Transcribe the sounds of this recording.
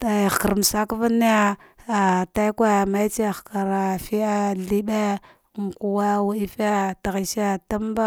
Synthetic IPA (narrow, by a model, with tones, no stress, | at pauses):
ta˨xka˨ɾm˨sa˦kva˦ni˦a˦ | a˨ta˦kʷa˦˨ma˦i˦t͡ʃi˦a˨xka˨ɾa˨fi˦a˦ɮi˦ɓe˦˨ | ŋ˨ku˨wa˦wa˦i˦fa˦ta˨ɣi˨sa˦ta˦m˦ba˦